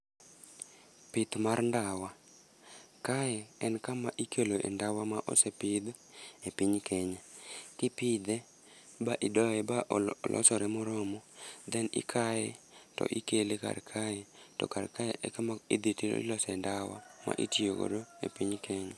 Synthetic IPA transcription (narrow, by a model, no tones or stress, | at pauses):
pɪt̪marndawa | kajɛɛnkamaʔikeloʔḛndawamaʔɔ̰sepɪd̪ | epiɲkeɲɛkɪpɪd̪ɛ | baʔidɔɛbaʔlʔɔ̰sɔɾɛmʊɾɔmɔd̪ɛnɪ̰kʰajɛtɔ̰ʔikeleka̰rkʰajɛtɔ̰karkajeʔɛkamaid̪itilo̰ḭlɔsɛndawa̰ma̰ʔitioko̰doḛpiɲkʰeɲɛ